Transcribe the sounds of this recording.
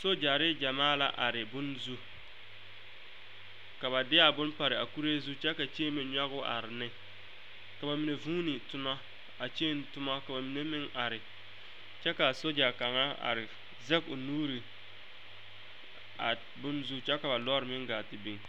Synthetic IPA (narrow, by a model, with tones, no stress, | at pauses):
so˦d͡ʒa˨ɾɪ˦d͡ʒa˨maː˦la̰˨ʔa˨ɾɪ˨bʊ˦nzu˦ | ka˨βa˨dɪ˦a˨bʊ˦npa˨ɾɪ˨a˨ku˦ɾe˦zu˦t͡ʃɛ˦ka˨t͡ʃeː˦me˨ɲa˦ɣʊ˦ʔa̰˨ɾɪ˨nɪ˦ | ka˨ba˨mi˨ne˨vũ˦nɪ˨tʊ˦ma˦ | a˨t͡ʃeː˦n˨tʊ˦ma˦ka˨ba˨mi˨ne˦mɪ˦ŋa˨ɾɪ˨ | t͡ʃɛ˦ka˨so˦d͡ʒa˨ka˨ŋa˦a̰˨ɾɪ˨ | zɛ˦kʊ˨nuː˦ɾi˨ | a˨ | bʊ˦nzu˦t͡ʃɛ˦ka˨ba˨lɔ˦ɾɪ˨mɪ˦ŋɡaː˨tɪ˨be˨ŋ